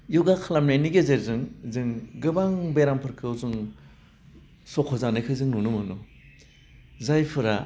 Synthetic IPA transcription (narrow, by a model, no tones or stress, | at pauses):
juɡakʰalamnajniɡezeɾzɯŋzɯŋɡɯbaŋbeɾampʰɯɾkʰɯwzuŋ | sɔkʰɔzanɯkʰɯzɯŋnunɯmɯnu | zajpʰɯɾa